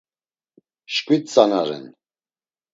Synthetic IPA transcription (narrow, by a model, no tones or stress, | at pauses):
ʃkʼwit̪t͡sʼanaɾɛ̰n